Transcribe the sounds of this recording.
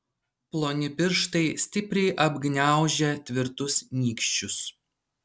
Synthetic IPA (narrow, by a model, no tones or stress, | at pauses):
plˠoːnʲɪpʲɪɾʃt̪ɐɪsʲt̪ʲɪpʲɾʲɛɪʔɐbʲɡnʲæˑʊʒʲɛt̪ʲʋʲɪɾt̪ʊsnʲiːkʃʲt͡ʃʲʊs